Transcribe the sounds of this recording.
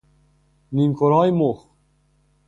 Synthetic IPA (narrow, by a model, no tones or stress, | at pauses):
niŋkʰoɾɑːjmox